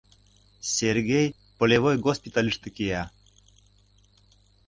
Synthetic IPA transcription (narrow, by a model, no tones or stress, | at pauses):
sʲerɡʲej | pə̆lʲevojɡospʲit̪alʲiʂt̪ɨkijæ